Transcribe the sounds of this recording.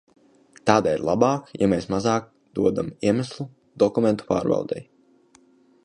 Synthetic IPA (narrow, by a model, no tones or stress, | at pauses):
t̪aːd̪aiɾlˠabɑːkja̰meːsmazɑːk̚ | d̪uɔd̪amiɛmæslˠu | d̪ɔkumɛnt̪u̥pa̰ːɾva̰lˠd̪ɛ̰j